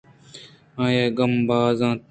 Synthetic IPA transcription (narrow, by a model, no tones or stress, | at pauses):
ãːjeːɡəmbaːzãː